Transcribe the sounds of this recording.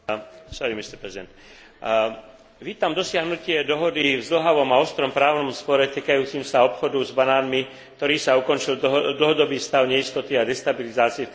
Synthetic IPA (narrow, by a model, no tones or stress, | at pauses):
saimist̪ɛɾpɾɛzid̪ɛ̰nt̪ | ʋiːt̪amd̪ɔsɪaɦnucɪɛd̪ɔɦɔd̪ivzl̩ɦaʋɔmaɔst̪ɾɔmpɾaːʊnɔmspɔɾɛt̪iːkajuːt͡simsaɔpxɔd̪uzbanaːnmi | k̚t̪ɔɾiːsaukɔnt͡ʃild̪l̩ɦɔd̪ɔbiːfst̪aʊɲɛist̪ɔt̪iad̪ɛst̪abilizaːt͡siɛ